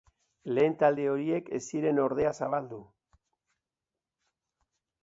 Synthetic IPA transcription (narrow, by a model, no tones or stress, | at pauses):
le̞ːnt̪ald̪e̞o̞ɾie̞ke̞̰siɾe̞no̞ɾð̞e̞asaβald̪u